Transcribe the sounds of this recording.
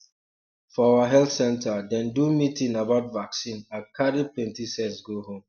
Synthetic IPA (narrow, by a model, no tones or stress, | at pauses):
fɔawaɦɛlθsɛ̃ntʰadɛ̃ndumitĩnabaʊtvaksĩnakʰaɾiplɛ̃ntisɛtsɡohõm